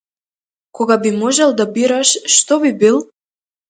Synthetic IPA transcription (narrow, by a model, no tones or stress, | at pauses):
kɔɡabimɔʒɛlˠd̪abiɾaʃːt̪ɔbibilˠ